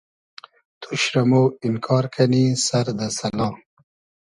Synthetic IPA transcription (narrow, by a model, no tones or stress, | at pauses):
t̪ʰuɕɾɐmoːinkʰɑːɾkʰɐnisɐɾd̪ɐsɐlɑ̃ː